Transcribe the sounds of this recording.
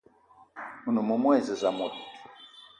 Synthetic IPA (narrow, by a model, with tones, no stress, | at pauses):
mu˨nu˨mu˨mwɛ˦˨zi˨za˨mu˨tu̥˨